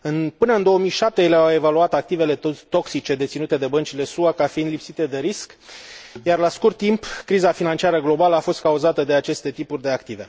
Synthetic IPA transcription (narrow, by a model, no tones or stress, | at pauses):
ɨnpɨnəɨnd̪o̞oəmijʃap̚t̪ejeleawe̞valuat̪ak̚t̪ive̞le̞t̪o̞ksit͡ʃe̞d̪e̞t̪sinut̪e̞d̪e̞bənt͡ʃile̞suakafind̪lipsit̪e̞d̪e̞ɾisk | jarlaskurt̪ːimpkɾizafinant͡ʃiaɾəɡlo̞baləafo̞st̪̚kauzat̪əd̪e̞at͡ʃe̞st̪e̞t̪ipurʲd̪e̞akt̪ive̞